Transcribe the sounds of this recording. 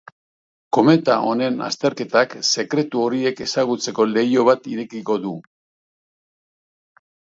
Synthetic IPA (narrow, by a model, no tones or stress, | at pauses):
ko̞me̞t̪aʔo̞ne̞na̰st̪e̞ɾke̞t̪akse̞kɾe̞t̪uo̞ɾie̞ke̞saɣut͡se̞ko̞le̞jo̞β̞at̪iɾe̞kiko̞ðu